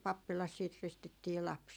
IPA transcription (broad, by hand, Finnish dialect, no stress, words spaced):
pɑpːilɑs siːt ristitːiː lɑps